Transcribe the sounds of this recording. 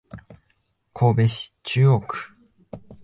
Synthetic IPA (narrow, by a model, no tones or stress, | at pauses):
kʰo̞ːbe̞ɕi̥t͡ɕɨːo̞ːkɯ̥